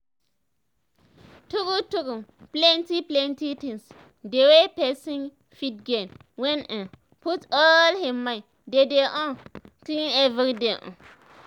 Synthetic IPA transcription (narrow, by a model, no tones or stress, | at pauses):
tukutukumplɛ̃ntiplɛ̃ntitĩŋs | dewepɛsĩŋ | fit̚ɡẽn | wɛ̃nɛ | putɔlhimːai | dedeʔɔ̃ntĩnɛvɾideʔɔ̰̃n